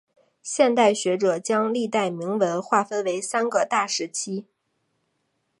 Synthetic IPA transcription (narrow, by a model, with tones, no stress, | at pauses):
ɕjɛ˥˧nt̪a˥˩ɪɕɥɛ˧˥ʈ͡ʂɤ˨˩t͡ɕjɑ˥ŋli˥˧t̪a˥˩ɪmi˧˥ŋwə˧˥nxwa˥˩fə˥nwe˧˥ɪsa˥nɡə˧t̪a˥˩ʂɻ̩˧˥t͡ɕʰi˥